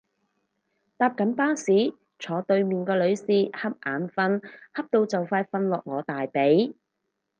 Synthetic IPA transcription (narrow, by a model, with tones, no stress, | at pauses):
t̪aː˨˧p̚kɐ˨˥npaː˥siː˨˥ | t͡sʰɔː˨˧t̪ɵ˧ɥmiː˨nkɔː˧lɵ˨˧ɥsiː˨˧hɐ˥p̚ʔaː˨˧˥nfɐ˧nhɐ˥p̚t̪o˧wt͡sɐ˨wfaː˧jfɐ˧nlɔː˨k̚ŋɔː˨˧t̪aː˨jpe˨˥j